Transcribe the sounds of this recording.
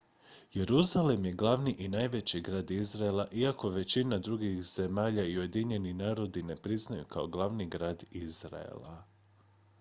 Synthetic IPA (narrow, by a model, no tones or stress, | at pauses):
je̞ɾuzalemje̞ɡlˠaʋniʔinaːjʋe̞t͡ɕiɡɾaːd̪izɾaelˠaʔiako̞ʋe̞t͡ɕinad̪ɾuɡixz̥e̞maːʎaiuje̞d̪iɲe̞ninaːɾo̞d̪ine̞pɾiznajṵkao̞ɡlˠaʋniɡɾaːd̪izɾa̰ḛlˠa̰